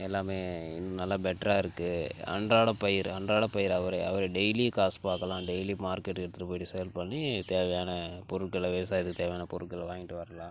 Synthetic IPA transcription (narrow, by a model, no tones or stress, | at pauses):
ɛlːaːmeːɪnːɯmnɐlːabɛʈːɾaːɪɾɯkːɯɐ̰ɳɖɾaːɽɐpːɐjɪɾɐɳdɾaːɽɐpːɐjɪɾɐʋɐɾɐɐʋɐɾɐɖɛjlikaːspaːkɐlãːɖɛɪlimaːɾkɛʈːɪɾɯt̪ːɯɾɯpoːjɪʈːisɛjɐlpɐɳːit̪eːʋɐjaːnɐpɔɾɯʈkːɯɭɐʋeːs̬aːjɐðɯkːɯt̪eːʋɛjaːnɐpɔɾɯʈkːɐɭːʋaːŋɡɪʈːɯʋɐɾɐlãː